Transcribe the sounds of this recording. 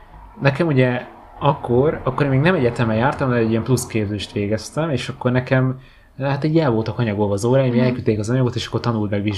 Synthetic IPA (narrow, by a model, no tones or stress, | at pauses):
nɛkɛmuɟɛ | ɒkːoɾɒkːoɾeːmːeːɡnɛmɛɟɛt̪ɛmɛjaːrt̪ɒmd̪ɛɛɟːijɛmpluskeːbzeːʃt̪ʋeːɡɛst̪ɛmeːʃɒkːo̞rnɛkɛm | lɛɦat̪ɛɟɛlvoːlt̪ɒkɒɲɒɡolɒzoːɾaːjimiɛlkyt̪ːeːkɒzɒɲɒɡo̞t̪eːʃɒ̥kːo̞rt̪ɒnult̪mɛɡʋiʒ